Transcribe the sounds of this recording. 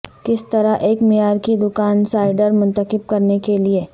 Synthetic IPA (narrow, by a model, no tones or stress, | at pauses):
kɪst̪ɐɾaʔeːkmijaːɾkid̪ʊkaːnsaːɪɖəɾmʊ̃nt̪əqɪb̚kɐɾnekelie